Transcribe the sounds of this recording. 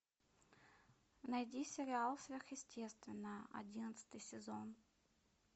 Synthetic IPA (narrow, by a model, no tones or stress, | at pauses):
nɐjdʲisʲɪɾʲɪalˠfsvʲerxjɪsʲtʲʰe̞st̪vʲɪnːəɐ̰dʲinət̪sɨ̥t̪ɨjsʲɪzon